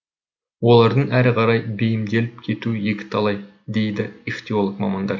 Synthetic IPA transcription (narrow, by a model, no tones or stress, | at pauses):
wo̞lˠɑɾd̪əɴæɾɪqʰɑɾɑjbejɪmd̪e̞lɪp̚kʲʰe̞t̪uje̞kʲɪ̥t̪ʰɑlˠɑj | d̪e̞jd̪ɪift̪ʲio̞lˠəkmɑmɑnd̪ɑɾ